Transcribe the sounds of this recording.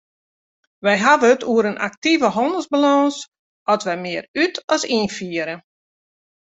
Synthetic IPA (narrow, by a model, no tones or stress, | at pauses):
ʋɛjɦaʋətuəɾənʔa̰k̚tivəɦɔndəlˠzbalɔns | ɔtʋɛjmɪərytɔsinfiəɾə